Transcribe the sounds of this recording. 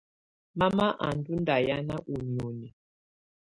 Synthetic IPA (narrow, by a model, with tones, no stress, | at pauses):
ma˦ma˦ʔa̰˨ndu˦nda˨ja˦na˦ʔu˨ni˨o˨ni˨